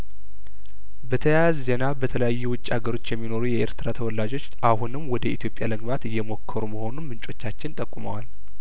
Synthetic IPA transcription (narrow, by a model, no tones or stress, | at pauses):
bət̪ʰəjaazːe̞nabət̪ʰələjajːuwʊt͡ʃʼːiaɡəɾo̞t͡ʃːjɛmːino̞ɾujɛʔḛɾt̪ʰɨɾat̪ʰəwɔlːad͡ʒo̞t͡ʃːʔahunɨmwɔd̪əit̪ʰjo̞pʼjaləɡbat̪ɨjːɛmo̞kʰːəɾuməho̞nunmɨnt͡ʃʼo̞t͡ʃːat͡ʃːɪnt̪ʼəkʼːuməwal